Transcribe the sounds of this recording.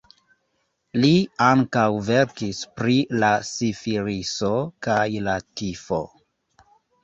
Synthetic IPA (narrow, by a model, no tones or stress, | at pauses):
liaŋkawveɾkispɾilasifiɾiso̞kajlatifo̰